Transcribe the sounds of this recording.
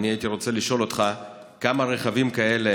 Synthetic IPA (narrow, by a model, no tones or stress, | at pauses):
niait̪iʁo̞t͡se̞liʃo̞lo̞t̪χa | kamaʁeχavimkae̞le